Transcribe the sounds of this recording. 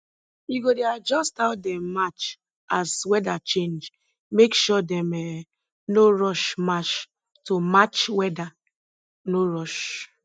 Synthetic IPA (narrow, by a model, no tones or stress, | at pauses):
jiɡodead͡ʒɔstaʊdɛ̃mːat͡ʃ | aswɛdat͡ʃẽnd͡ʒ | mekʃɔdɛ̃mɛ | noɹɔʃmat͡ʃ | tomat͡ʃwɛda | noɹɔʃ